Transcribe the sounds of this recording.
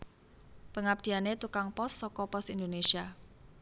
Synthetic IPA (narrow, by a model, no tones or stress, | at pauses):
pəŋap̚d̪̥i̤anet̪ukaŋpɔsːɔkɔpɔsind̪onesia